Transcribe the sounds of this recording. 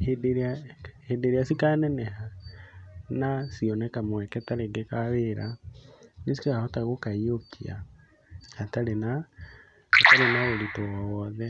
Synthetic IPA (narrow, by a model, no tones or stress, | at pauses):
hedeɾeahedeɾeasikanɛnɛha | nasiɔnɛkamwɛkɛtaɾeɡekaweɾa | nes̬i̥kaahɔtaɣokaiokʰia̰ | ataɾena | ataɾenaoɾitowawɔðɛ